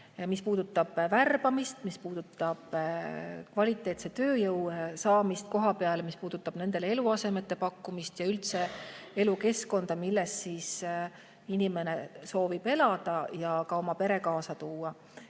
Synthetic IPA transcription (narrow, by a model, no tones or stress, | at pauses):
mispuːd̪̥ut̪ːˑɑb̥værb̥ɑmist̪mispuːd̪̥ut̪ːˑɑb̥ | kvɑlʲit̪ːˑe̞ːt̪set̪ø̞ːjɤwsɑːmist̪̚ko̞ɦɑpe̞ɑlemispuːd̪̥ut̪ːˑɑb̥ne̞nd̪̥e̞lee̞luɑse̞me̞t̪ːe̞pɑkːumist̪jɑylt̪se̞e̞luke̞sko̞nd̪̥ɑmilːe̞ssiːs | inime̞ne̞so̞ːvib̥e̞lɑd̪̥ɑjɑkɑo̞mɑpe̞ɾe̞kɑːsɑt̪uːɑ